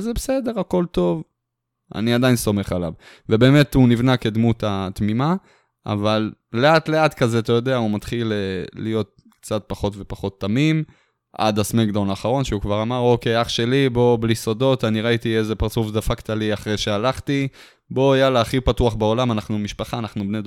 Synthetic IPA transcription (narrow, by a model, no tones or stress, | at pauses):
zebesede̞ʁako̞lto̞v | a̰niad̪ainso̞me̞χala̰v | vebe̞ːme̞tunivnake̞d̪mutat̪mima | ʔa̰valleatleat̪kazeat̪ajo̞d̪eaumat̪χilelḭjo̞t̪̚ | kt͡sat̚paχo̞tve̞paχo̞t̪ːamim | ʔa̰d̪asmekd̪onaːχaʁo̞nʃeukvaʁamaʁo̞ke̞jaχʃe̞libo̞blisodo̞taniʁait̪iezepaʁt͡sufdafakt̪aliaχʁejʃealaχti | bo̞jalaːχipatuaχbeo̞lamanaχnumiʃpaχaːnaχnubnejd